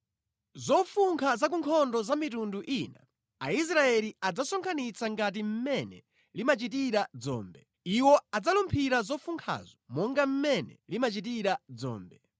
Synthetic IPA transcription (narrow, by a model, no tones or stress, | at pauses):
zɔfuŋkʰazak̬uŋkʰɔndɔzamitunduʔina̰ | ais̬ɾaɛliad͡zasɔŋkʰanit͡sʰaŋɡat̬im̩mɛnɛ̰ | limat͡ʃit̬iɾad͡zɔ̰ːmbɛ | iwɔad͡zalumpʰiɾazɔfuŋkʰa̰zɔmɔŋɡam̩mɛnɛ̰limat͡ʃit̬iɾad͡zɔ̰ːmbɛ